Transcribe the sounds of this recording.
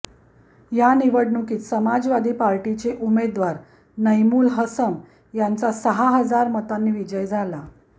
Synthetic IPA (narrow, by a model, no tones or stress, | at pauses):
janiʋəɽɳukiːt̪səmad͡zʋad̪ʱiːpaɾʈit͡seʔumed̪ʋaɾ | nəjmuːlɦəsəm | jant͡sasəɦaɦəd͡zaɾmət̪anːiːʋid͡ʑəjd͡zʱala